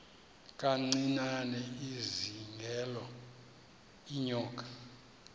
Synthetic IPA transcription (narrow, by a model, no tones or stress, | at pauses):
kʼaŋ͡ǀinanɛiziŋɡʱɛlɔ | iɲɔːk̬ʼḁ